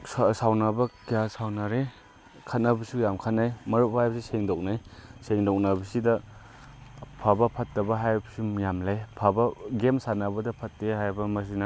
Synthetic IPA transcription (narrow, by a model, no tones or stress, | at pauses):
ssawnɐbɐkijasawnaɾe | kʰat̚nɐbɐsujamkʰat̚najmɐɾubahajbɐsiseŋdɔk̚najseŋdɔk̚nɐbɐsidɐ | pʰabɐpʰɐt̚ːɐbɐɦajbɐsijamlajpʰabɐɡemsanɐbɐdɐpʰɐt̚ːeɦajbɐmɐs̬ina